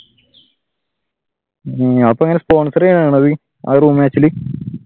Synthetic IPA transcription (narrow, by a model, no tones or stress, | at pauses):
ɐpːoɐŋːɐnespoːɳsɐɾejɳaːɳɐðɨ | a̰ruːmaːt͡ɕːilɨ